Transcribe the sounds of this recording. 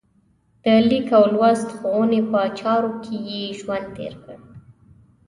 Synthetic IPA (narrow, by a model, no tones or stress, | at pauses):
d̪̥əlikawlwast̪xowənepət͡ʃɑɾokʰejeʒwand̪t̪ḛɾkəɽ